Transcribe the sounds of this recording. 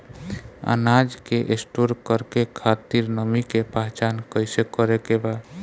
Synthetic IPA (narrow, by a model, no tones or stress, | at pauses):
a̰nad͡ʒkeʔesʈoɾkəɾkekʰat̪iɾnəmikepaɦt͡ʃankəjsekːəɾekeba